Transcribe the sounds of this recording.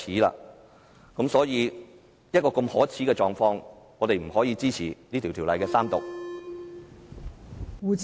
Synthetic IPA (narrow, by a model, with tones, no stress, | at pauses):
iː˨˥la̰ː˧ | kɐ˨˥msɔː˨˥jiː˨˧ | jɐ˥t̚kɔː˧ko˧mhɔː˨˥t͡sʰiː˨˥kɛː˧t͡ʃɔː˨˩ŋfɔː˧ŋ | ŋɔː˨˧t̪e˨jm̩˨˩hɔː˨˥jiː˧t͡siː˥t͡sʰiː˨˩niː˥t̪ʰi˨˩t̪ʰiː˨˩wlɐ˨jkɛː˧saː˥mt̪ʊ̰˨˩k̚ | wuː˨˧t͡s